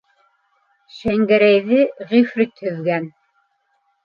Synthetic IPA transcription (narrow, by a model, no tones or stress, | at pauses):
ʃæŋɡæɾæjðɘʁifɾit̪hɵ̆ðɡæn